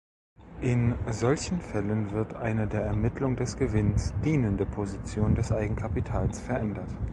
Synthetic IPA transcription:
ʔɪnzɔlçn̩fɛlənvɪɐtʔa̰ɪnədeːɐɛɐmɪtʰlʊŋdɛsɡ̥əvɪnsd̥iːnəndəpʰozit͡sjoːndɛsʔaɪɡŋ̩kʰapitʰaːlsfɛɐʔɛndɐt

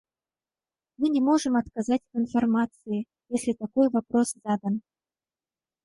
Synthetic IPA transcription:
mɨnʲɪmo̞ʐɨmɐt̪kɐzatʲɐt̪ɨnfɐrmat̪sɨɪ | jesʲlʲɪt̪ɐko̞jvɐpɾo̞sz̥ad̪ən

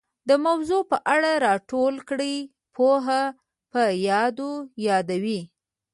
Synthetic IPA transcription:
d̪əmawzopəʔaɽaɾɑʈolkɽəj | pʰoɦa | pəjɑd̪ojɑd̪awi

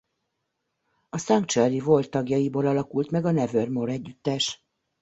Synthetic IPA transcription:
ɒsɒŋkt͡ʃørivo̞lt̪ːɒɡjɒjiboːlɒlɒkult̪mɛɡɒnɛvørmoɾɛɟːyt̪ːɛʃ

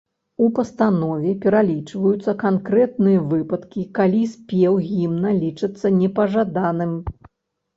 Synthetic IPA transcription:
upɐst̪anɔvʲɛpʲɛɾalʲit͡ʂvɐjut̪sːɐkankɾɛt̪nɨjɐvɨpɐt̪kʲikalʲisʲpʲɛwɣʲimnɐlʲit͡ʂɨt̪sːɐnʲɛpɐʐad̪anɨm

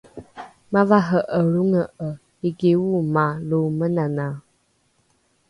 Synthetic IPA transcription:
mavaɦəʔəɺuŋəʔə | iɡewumalumənana

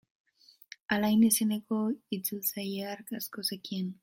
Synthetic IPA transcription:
alajnesinekoit͡silsajaɾkaskosekin

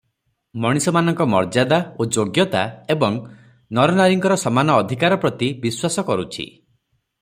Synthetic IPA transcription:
mɔɽ̃isɔmanɔŋkɔmɔ̰ɾd͡ʒad̪aod͡ʒoɡjɔt̪a̰ebɔŋ | nɔɾɔnaɾiŋkɔɾɔsɔmanɔːd̪ʱikaɾɔpɾɔt̪ibiswasɔkɔɾut͡ʃʰḭ

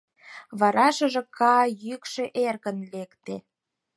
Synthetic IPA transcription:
βɑɾɑʃə̆ʒĕkʰɑjykʃĕʔerkə̆nlekt̪e

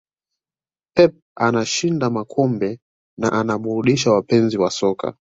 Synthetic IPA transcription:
ɛp̚anaʃindamakʰɔmbɛ | naʔanaɓuɾuɗiʃawapɛnziwasɔka̰

